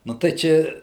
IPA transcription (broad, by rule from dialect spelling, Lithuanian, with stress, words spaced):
ˈnʊ tɐɪ ˈt͡ʃʲɛ